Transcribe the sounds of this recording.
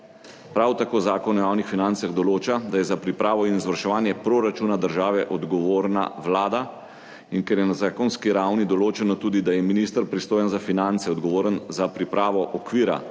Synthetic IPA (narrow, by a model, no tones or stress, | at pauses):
pɾawt̪akoːzaːkɔnɔjaːwnixfinant̪saɣd̪ɔloːt͡ʃad̪ajɛzapɾipɾaːʋɔinizʋaɾʃɛʋaːnjɛpɾɔɾat͡ʃuːnad̪əɾʒaːʋɛʔɔd̪ɡɔʋoːɾna̰ʋlaːd̪a | inkɛɾjɛnazaːkɔnskiɾawnid̪ɔloːt͡ʃɛnɔt̪uːd̪id̪ajɛminist̪əɾpɾist̪oːjənzafinant̪sɛɔd̪ɡɔʋoːɾənzapɾipɾaːʋɔʔɔkʋiːɾa̰